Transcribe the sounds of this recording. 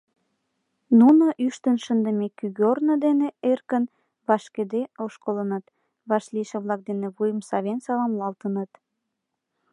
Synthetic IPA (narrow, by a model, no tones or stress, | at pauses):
nunoʔyʃt̪ənʃənd̪əmekyɣornə̆d̪eneerkən | βɑʃked̪eoʃkolənət̪ | βɑʃliʃĕβlɑk̚d̪enĕβujəmsɑβensɑlɑmlɑlt̪ənət̪